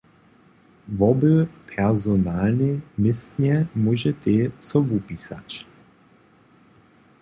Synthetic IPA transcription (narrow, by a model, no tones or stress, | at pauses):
vɔbøpʰɛʁzonalnimɪst̪nʲɛmuʒɛt̪esɔvupisa̰t͡ʃ